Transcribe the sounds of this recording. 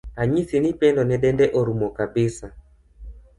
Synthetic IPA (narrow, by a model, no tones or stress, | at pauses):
aɲisinipɛndɔnɛɗɛndɛʔoɾumɔkabɪsa